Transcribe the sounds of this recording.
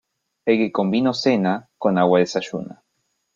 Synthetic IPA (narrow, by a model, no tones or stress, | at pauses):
ekekombinosenakonawaðesaʃṵna̰